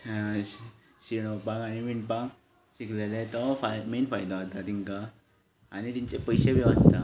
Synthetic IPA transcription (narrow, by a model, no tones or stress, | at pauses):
ɕiɽ̃ɔpãkaniʋiɳpãk | ɕiklelet̪ɔfamenfajd̪aɦot̪at̪ĩŋka | añit̪iɲt͡sepəjɕebʱiʋa̰nt̪a